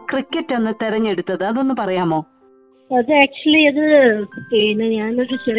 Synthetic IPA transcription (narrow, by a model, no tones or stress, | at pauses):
krikʲːɐtːenːɨt̪eɾɐɲːe̞ɽut̪ːɐðɨɐðo̞nːɨpɐrɐjaːmo̞ː | ɐðɨaːk̚t͡ɕuɐliɐðɨpeːnɨɲaːno̞ɾut͡ɕer